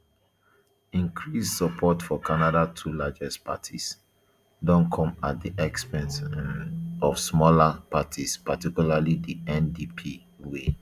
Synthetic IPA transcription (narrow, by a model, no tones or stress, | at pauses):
ĩŋkʰɹissəpʰɔtfɔkʰanadatʰulad͡ʒɛstpa̰tʰis | dɔ̃nkʰɔ̃ma̰t̚diʔɛkspɛ̃ns | ɔfsmɔlapatʰispatikjulalidiɛ̃ndipʰi | we